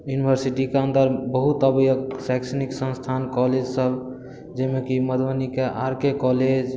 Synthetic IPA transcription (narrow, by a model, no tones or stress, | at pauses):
junibʱəɾsiʈikeə̃nd̪əɾbəɦut̪əbjəksaɪksəniksə̃nst̪ʰankɔled͡ʒsəb | d͡ʒemekiməd̪ʋanikeʔaɾkekɔled͡ʒ